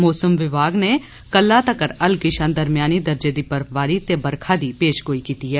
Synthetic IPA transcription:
mɔːsəmʋɪbaːɡneː | kəlːaːt̪əkəɾəlkɪʃə̃ːnd̪əɾmɪjaːniːd̪əɾd͡ʒeːd̪iːpəɾʰʋaːɾiːt̪eːbəɾkʰaːd̪iːpeːʃɡoːiːkiːt̪iːɦɛː

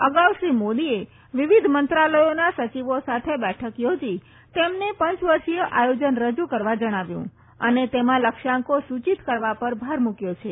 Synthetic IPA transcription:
əɡaʋʃɾimod̪ie | ʋɪʋid̪ʱmənt̪ɾaləjonasət͡ʃiʋosat̪ʰebɛʈʰəkjod͡ʒi | t̪emnepəɲt͡ʃʋəɾʃijəʔajod͡ʒənɾəd͡ʒukəɾʋad͡ʒəɽ̃aʋjṵ̃ | ənet̪emãləkʃãŋkosut͡ʃit̪kəɾʋapəɾbʱaɾmukjot͡ʃʰe

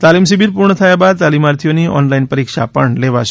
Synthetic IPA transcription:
t̪alimsibiɾpuɾɳət̪ʰəjabad̪̚t̪alimaɾt̪ʰijoniʔɔ̰nlainpəɾikʃa̰pəɳleʋaʃ

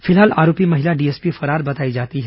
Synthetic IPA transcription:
fɪlɦaːla̰ːɾoːpimɐɦɪlaɖiːespifɐɾaːɾbɐt̪aːid͡ʒaːt̪iɦɛ

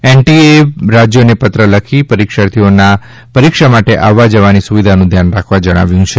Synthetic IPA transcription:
enʈieɾad͡ʒjonepət̪ɾələkʰipəɾikʃaɾt̪ʰiona | pəɾikʃamaʈeʔaʋːad͡ʒəʋanisuʋid̪ʱanũd̪ʱjanɾakʰʋad͡ʒəɽ̃a̰ʋjũt͡ʃʰe

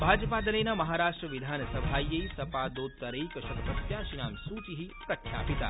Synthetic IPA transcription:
bʱaːd͡ʒəpaːd̪ɐɾeːnɐmɐɦaːɾaːʂʈɾəʋid̪ʱaːnsɐbʱaːjɐisɐpaːd̪oːd̪̚t̪ɐɾəikɐʃɐkɐt̪ɐt̪jaːʃinaːmsuːt͡ʃiɦipɾɐkʰja̰ːpit̪a̰ː

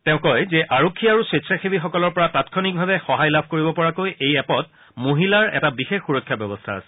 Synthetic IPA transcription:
tɛʊ̃kɔjzɛʔaɹokʰːiaɹusetsaxebixɔkɔlɔɹpɔɹatatkʰɔnik̚bʱabɛxɔɦajlabʱkoɹibɔpɔɹakojʔejɛpɔt̚ | moɦilaɹɛ̰tabixexxuɹɔkʰːjabjɔbɔstʰaa̰sɛ̥

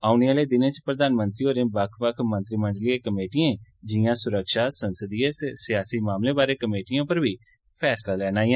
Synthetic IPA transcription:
aːʊneːaːleːd̪ɪnẽːt͡ʃpɾəd̪aːnmə̃nt̪ɾiːoːɾẽːbəkʰʋəkʰmə̃nt̪ɾiːməɳɖlieːkəmeːʈiẽːd͡ʒɪjãːsʊɾəkʃaːsənsəd̪ieːsɪjaːsiːmaːmlẽːbaːɾeːkəmeːʈijãːpəɾbʱiː | pʰɛːslaːlɛːnaːiːãː

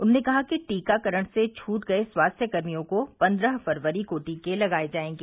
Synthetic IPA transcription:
ʊnːnekɐɦakiʈiːkakɐɾəɽ̃set͡ʃʰuːʈ̪ɡɐeswaːst̪ʰjəkɐɾmijõkopɐ̃nd̪ɾəɦfɐɾʋəɾikoːʈikelɐɡaːed͡ʒaːẽːŋɡiː

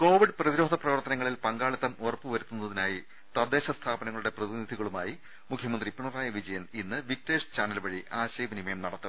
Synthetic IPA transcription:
ko̞ːʋiɖprɐðiɾo̞ːd̪ʱɐprɐʋɐrt̪ɐnɐŋːɐɭilpɐŋɡaːɭɐt̪ːɐmorɐpːɨʋɐɾut̪ːunːɐðinaːji | t̪ɐrd̪eːɕɐst̪ʰaːbɐnɐŋɐɭuɽe̞prɐðinid̪ʱiɣɐɭuma̰ːji | mukʰjɐmɐnd̪ripiɳɐraːjɐʋid͡ʑɐjɐninːɨʋik̚ʈeːʂt͡ɕaːnɐlʋɐɻiʔaːɕɐjbɐnimɐjɐmnɐɽɐt̪ːɐ

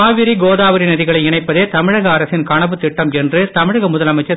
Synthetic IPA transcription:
aːʋɪɾiɡoːðaːʋɐɾinɐðɪɣɐɭɐɪɪɳɐɪpːɐðeːt̪ɐmɪɻɐɣɐːɾɐsɪnkɐɳɐʋɯt̪ːɪʈːɐmɛndrɯt̪ɐmɪɻɐɣɐmʊðɐlɐmɐɪt͡ʃːɐ

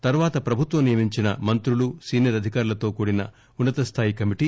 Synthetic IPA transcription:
t̪ɐɾuʋaːt̪ɐpɾɐbʱut̪ʋɐmnijɐmiɲt͡ʃinɐ̰mɐnt̪ɾulusiːnijɐɾɐd̪ʱikaːɾulɐt̪o̞ːkuːɽinɐ̰ | unːɐt̪ɐst̪ʰaːjikɐmiʈi

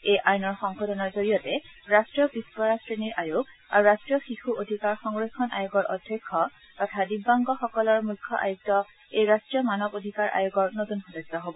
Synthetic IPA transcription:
ejʔajnɔɹxɔŋxɔdɔnɔɹzoɹijɔtɛɹastɹijɔbispɔɹasɹeniɹʔajuɡa̰ɹuɹastɹijɔxixuʔodʱikaɹxɔŋɹexɔnʔa̰juɡɔɹʔɔdʱjɔkʰːɔ | tɔtʰadibːaŋɡɔxɔkɔlɔɹmukʰːɔ̰ʔa̰juk̚tɔ | ejɹastɹijɔmanɔbodʱikaɹʔa̰juɡɔɹnotunxɔdezɔɦobɔ

